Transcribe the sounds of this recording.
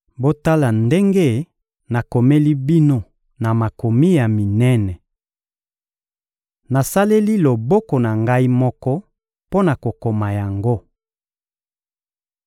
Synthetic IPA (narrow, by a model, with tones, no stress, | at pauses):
bo˦ta˦la˨nde˦ŋɡe˦ | na˨ko˨me˦li˦bi˦no˦ | na˨ma˨ko˨mi˦ja˨mi˨nɛ˦nɛ˨ | na˨sa˦le˦li˦lo˨bɔ˦kɔ˨na˨ŋɡa˦i˦mɔ˦kɔ˦ | po˦na˨ko˨ko˨ma˨ja˨ŋɡo˦